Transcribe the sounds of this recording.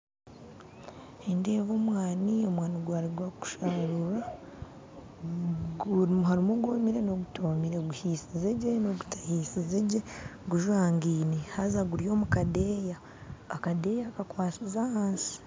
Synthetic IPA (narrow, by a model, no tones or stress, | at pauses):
endeːvoːmwaːnio̞mwaːniɡwaːɾiɡwaku̥ʃaɾuɾa | ɡuɾimhaɾimoɡoːmiɾe̞no̞ɡutoːmiɾeɡuhiːsizeɟenoɡu̥tḁhiːsizeɟeɡuʒwaːŋɡiːnihazaɡuɾjo̞ːmukade̞ːjaː | kade̞ːjakakwaːsizahaːnsi̥